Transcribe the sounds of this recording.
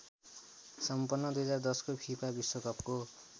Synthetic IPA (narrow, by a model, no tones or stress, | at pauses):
sʌmpʌnːʌd̪ujʌd͡zard̪ʌskopʰipabiswokʌpko